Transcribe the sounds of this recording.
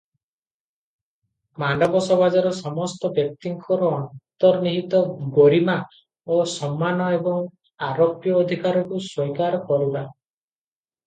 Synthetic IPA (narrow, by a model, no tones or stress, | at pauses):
manɖɔbɔsɔβad͡ʒɔɾɔsɔmɔst̪ɔbjɔk̚t̪iŋkʰɔɾɔːnt̪ɔɾniɦit̪ɔɡoɾima | osɔmːanɔebɔŋ | aɾopjɔːd̪ʱikaɾɔkuswɔjkaɾɔkɔɾiba